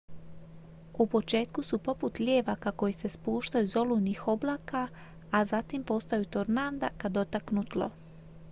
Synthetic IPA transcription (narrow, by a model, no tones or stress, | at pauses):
upo̞t͡ʃe̞ːt̪kusupo̞put̪ʎʲeːʋakako̞jise̞spuːʃt̪ajuzo̞lunixo̞blˠaːkaː | zat̪impo̞st̪ajut̪oɾnand̪akad̪ot̪aknut̪lo̰